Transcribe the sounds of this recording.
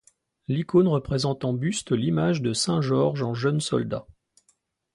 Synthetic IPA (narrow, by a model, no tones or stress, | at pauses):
likonʁəpχezɑ̃t̪ɑ̃byst̪limaʒd̪əsɛ̃ʒɔʁʒɑ̃ʒənsɔ̰ld̪a